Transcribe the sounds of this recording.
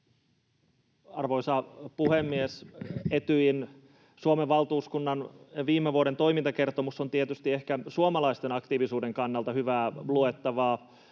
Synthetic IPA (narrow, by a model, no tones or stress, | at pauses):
ɑrʋoisɑpuhemːieset̪yjin | suomeːɑlt̪uːskunːɑnʋiːmːeʋuoɾent̪o̞imint̪ɑke̞rt̪omusːont̪iet̪yst̪iehkæsuomɑlɑist̪enɑkt̪iːʋisuːdeŋkɑnːɑlt̪ɑhyʋæːluet̪ːɑʋɑː